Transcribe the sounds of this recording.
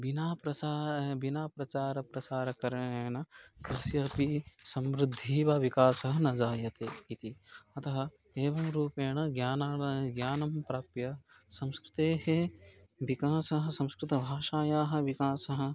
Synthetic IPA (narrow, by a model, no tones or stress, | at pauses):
ʋinaːpɾɐsaːʋinaːpɾɐt͡ʃaːɾɐpɾɐt͡ʃaːɾɐkɐɾɐɳɳeːɳɐkɾɪsjɐpisɐmɾɪd̪ʱːiːʋɐʋikaːsɐɦɐnɐd͡ʒaːjɐt̪eːit̪iɐt̪ɐɦɐ̆ | eːʋɐmɾuːpeːɳɐɡjaːnaːɳɐɡjaːnɐmpɾaːpjɐ | sɐ̃mskɾɪt̪eːɦe | ʋikaːsɐɦɐ̆sɐ̃mskɾɪt̪ɐbʱaːʃaːjaːɦɐ̆ʋikaːsɐɦɐ̆